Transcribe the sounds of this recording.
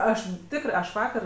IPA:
ˈɐʃ ˈtʲɪkrɜ ˈɐʃ ˈʋɑːkɐr

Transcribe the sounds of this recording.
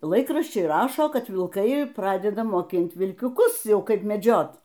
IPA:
ˈlˠɐɪkrɐʃʲt͡ʃʲɛɪ ˈrɑːʃoː ˈkɐt ʋʲɪlˠˈkɐɪ ˈprɑːdʲɛdɐ moːˈkʲɪnt ʋʲɪlʲkʲʊˈkʊs ˈjɛʊ ˈkɐɪp mʲɛˈd͡ʒʲoːt

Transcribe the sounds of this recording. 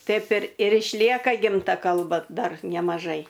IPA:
ˈtɐɪp ɪr ɪr ɪʃʲˈlʲiɛkɐ ˈɡʲɪmtɐ ˈkɐlˠbɐ ˈdɐr nʲɛmɐˈʒɐɪ

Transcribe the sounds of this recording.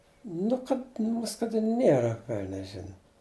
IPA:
ˈnʊ kɐt ˈmʊs kɐt ˈnʲeːrɐ ˈʋʲɛlʲnʲɛs ˈʒʲɪnɐ

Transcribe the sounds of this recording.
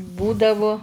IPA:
ˈbuːdɐʋʊ

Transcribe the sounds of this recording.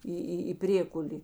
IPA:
ˈiː ˈiː iː ˈpʲrʲeːkʊlʲeː

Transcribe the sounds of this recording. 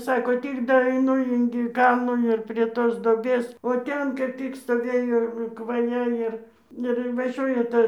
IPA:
ˈsɑːkoː ˈtʲɪk dɐɛɪˈnʊ ɪŋʲɡʲɪ ˈkɐlˠnuː ɪr pʲrʲiɛ ˈtoːs doːˈbʲeːs oː ˈtʲɛn ˈtʲɪk stoːˈʋʲeːjoː kʋɐˈjɛ ɪr ɪr ɪnʋɐˈʒʲuɔjɛ ˈtɐ

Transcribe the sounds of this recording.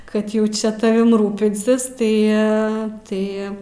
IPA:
ˈkɐt jɛʊ ˈt͡ʃʲɛ tɐˈʋʲɪm ˈruːpʲɪnʲsʲɪs tɐɪ ˈɐ ˈtɐɪ

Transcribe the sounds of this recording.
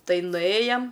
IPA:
ˈtɐɪ nʊˈeːjɛm

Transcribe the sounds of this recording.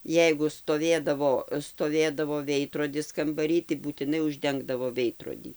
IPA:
ˈjɛɪɡʊ stoːˈʋʲeːdɐʋoː stoːˈʋʲeːdɐʋoː ˈʋʲɛɪdroːdʲɪs kɐmbɐˈrʲiː tɐɪ buːtʲɪˈnɐɪ ʊʒʲˈdʲɛŋɡdɐʋoː ˈʋʲɛɪdroːdʲiː

